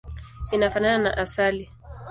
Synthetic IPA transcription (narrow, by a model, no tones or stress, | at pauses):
inafananana̰ʔasali